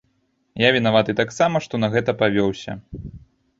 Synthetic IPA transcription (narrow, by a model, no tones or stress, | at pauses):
javʲinavat̪ɨt̪aksamɐʂt̪ɔnɐɣɛt̪ɐpavʲɔwsʲɐ̰